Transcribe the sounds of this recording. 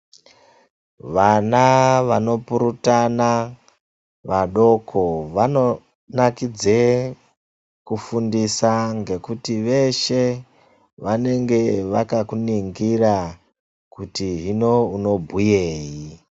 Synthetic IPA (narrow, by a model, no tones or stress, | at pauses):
ʋanaʋano̞puɾutana | ʋaɗo̞kʰo̞ʋano̞ | nakid͡ze | kufundisaŋɡe̞kutiʋe̞ʃe̞ | ʋane̞ŋɡe̞ʋakakuniŋɡira | kutiɦino̞uno̞bʱujeːji